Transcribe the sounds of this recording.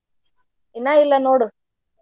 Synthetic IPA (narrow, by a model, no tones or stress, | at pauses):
inailːɐnoːɽu